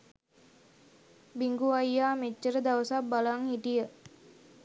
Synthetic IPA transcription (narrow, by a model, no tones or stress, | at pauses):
biŋɡuajjamet͡ʃːərd̪aosabalaŋhid̪iə